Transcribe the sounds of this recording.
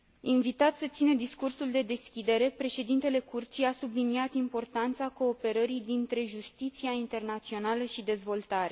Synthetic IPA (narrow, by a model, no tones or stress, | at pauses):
invit̪at̪sət̪sinəd̪iskursuld̪e̞d̪e̞skʲid̪e̞ɾe̞pɾe̞ʃe̞d̪int̪e̞le̞kurt̪sijasubliniat̪impo̞rt̪ant̪sako̞ːpe̞ɾəɾijd̪int̪ɾe̞ʒust̪it̪siaint̪e̞rnat̪sio̞naləʃid̪e̞zvo̞lt̪aɾe